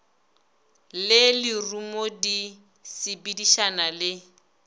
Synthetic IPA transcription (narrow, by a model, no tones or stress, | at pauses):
lɪlirumodi | sɪbidiʃanalɪ